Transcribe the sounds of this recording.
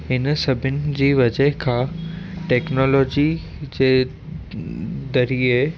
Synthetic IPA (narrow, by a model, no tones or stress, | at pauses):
ɦɪnsɐbʱɪnɪ̆d͡ʑiːʋɐd͡ʑəɦkʰãːʈɛːknoːlɔːd͡ʑi | d͡ʑeː | d̪ɐɾie